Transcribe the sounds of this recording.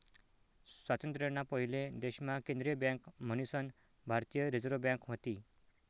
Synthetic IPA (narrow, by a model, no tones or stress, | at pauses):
sʋat̪ənt̪ɾənapəɦiled̪eɕmãkẽnd̪ɾijəbjãŋkm̤ənusən | bʱaɾt̪ijəɾid͡zɾobjãŋkʋət̪i